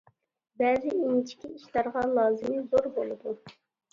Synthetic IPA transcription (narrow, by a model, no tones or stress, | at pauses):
bɛːzɪint͡ʃʰi̥kʲiiʃlˠɑɾʁɑlˠɑːzɨmɪzoɾbolˠɨd̪u